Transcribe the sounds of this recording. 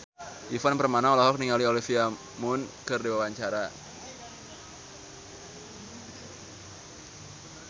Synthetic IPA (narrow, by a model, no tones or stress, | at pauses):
ʔifanpərmanaɔlɔɦɔk̚niŋaliolifia | mʊnkɨrdiwawaɲt͡ʃaɾa